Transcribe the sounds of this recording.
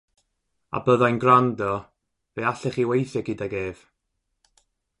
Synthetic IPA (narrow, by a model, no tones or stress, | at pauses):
a̰bəðajnɡrandɔ | veaɬɛχiwejθjɛɡɪdaɡeːv̥